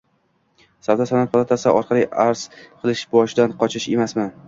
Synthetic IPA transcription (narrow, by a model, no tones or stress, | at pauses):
sawd̪asanat̪̚pʰɒlˠat̪ʰasɪʔɒɾqʰɑlˠijʔaɾz̥qʰɨlˠɪʃbɒʃɪd̪anqʰɒt͡ʃʰɪʃe̞masmɪn